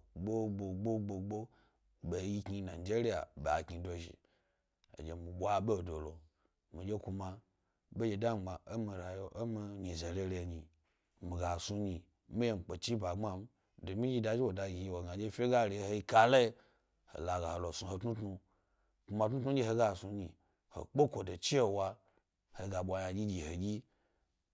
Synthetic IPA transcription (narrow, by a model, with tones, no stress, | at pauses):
ɡ͡bo˦bo˨ɡ͡bo˦ɡ͡bo˨ɡ͡bo˦ | ɓe˨ji˦kɲi˧na˨d͡ʒe˦ɾi˦a̰˨ɓe˨a˨kɲi˧do˨ʒḭ˨ | o̰˨d͡ʒe˨mi˨ɓʷa˦ɓe˦˨do˨lo˨ | mi˨d͡ʒe˦ku˧ma˧ | be˦d͡ʒe˧da˦˨ɡ͡ba˨o˦mi˨ɾa˨jo˦ʔo˦mi˧ɲi˨ze˨le˦ɾe˧˨ɲi˨ | mi˨ɡa˨su˧ɲi˨˦ | mi˦je˦˨ŋ͡m̩˨k͡pe˨t͡ʃi˦ba˨ŋ͡ma˦m̩˦ | do˨mi˦d͡ʒi˧da˨d͡ʒi˦wo˨da˧ɡʲi˨ji˨wo˨ɡa˨d͡ʒe˦fʲe˦ɡa˦ɾi˨˦ho˧˦i˧ka˧˦lo˦i˧ | ho̰˨la˨ɡa˨ho˨lo˨su˧ho˨tnu˦tnu˧ | ku˧ma˧˨tnu˦tnu˦d͡ʒʲi˦ho˧ɡa˦˨su˧ɲi˨ | ho̰˨k͡po˦kʷo˨do˨t͡ʃi˦e˨wa˧ | ho˨ɡa˨ɓʷa˨ja˨d͡ʒʲi˦d͡ʒi˨ho˨ɡʲi˦